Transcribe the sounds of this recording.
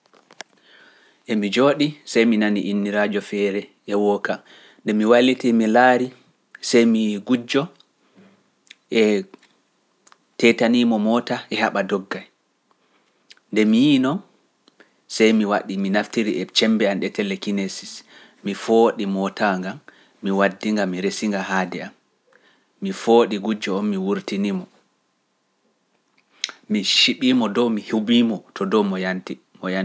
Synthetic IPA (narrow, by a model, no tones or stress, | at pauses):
ʔɛmid͡ʒoːɗisajminaniʔinːiɾad͡ʒɔfɛːɾɛ | ɛwɔkam | ndɛmiwalːitimilaːɾi | sajmiɡud͡ʒːɔ | ʔɛ | tɛtanimɔmɔːtaʔɛhaɓadɔɡːaj | ndɛmijiːnɔn | sajmiwaɗiminaftiɾiʔɛt͡ʃɛmbɛanɗɛtɛlɛkinesis | mifoɗimɔtaŋɡamː | iwadːiŋɡamiɾesiŋɡaɦadɛamː | ifoːɗiɡud͡ʒːɔɔnmiwuɾtinimɔ | miʃiɓiːmɔdɔmihubimɔtʰɔdɔmɔjanti | mɔjan